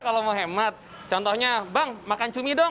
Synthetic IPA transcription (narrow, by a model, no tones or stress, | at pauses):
kalomoɦemat̪̚ | t͡ʃɔnt̪ɔhɲabaŋmakant͡ʃumidɔ